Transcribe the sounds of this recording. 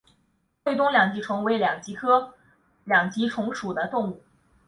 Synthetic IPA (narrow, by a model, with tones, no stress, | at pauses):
twe˥ɪt̪ʊ˥ŋljɑ˨˩ŋt͡ɕi˧˥ʈ͡ʂʰwɤ˧˥ŋwe˧˥ɪljɑ˨˩ŋt͡ɕi˧˥kʰɤ˥ | ljɑ˨˩ŋt͡ɕi˧˥ʈ͡ʂʰʊ˧˥ŋʂu˨˩d̪ə˦t̪ʊ˥˧ŋu˥˩